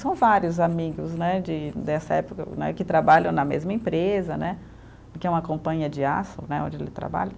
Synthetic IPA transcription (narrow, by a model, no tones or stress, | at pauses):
sɐ̃w̃vaɾjʊzamiɡʊznɛd͡ʒɪnɛsɐɛpʊkɐ̰nɛ̰kɪt̪ɾabaʎɐ̃w̃nɐmḛzmɐẽpɾezɐnɛ | kɪɛũɐkõpɐ̃ɲɐd͡ʒɪa̰sɐ̰nɛõd͡ʒɪelɪt̪ɾa̰ba̰ʎɐ